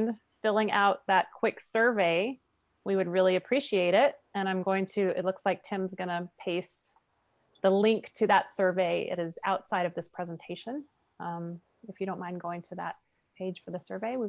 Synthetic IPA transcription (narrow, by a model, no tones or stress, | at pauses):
n | fɪlˠɪ̃ŋʔa̰ʊt̪̚ðɨt̚kʰw̥ɪksɜ˞veɪ | wiwɨd̚ɹɪlˠiɨpʰɹ̥iʃieɪɾɪt̚ɨ̃ɾ̃ãɪ̃mɡoʊɪ̃ŋtʰɨɪ̰t̚ˡlʊkslaɪk̚tʰɪ̃mzɡʌnɨpʰeɪs | ðəlɪ̃ŋktʰɨðətsɜ˞veɪɪ̰ɾɨza̰ʊtsaɪɾʌvðɪspʰɹ̥ɛz̃n̩tʰeɪʃɨ̃n | ʌ̃m | ɨfjɨɾõʊ̃nʔmãɪ̃nɡoʊɪ̃ŋtʰɨðə̰t̚ | pʰeɪd̥ʒ̥fə˞ðɨsɜ˞veɪwi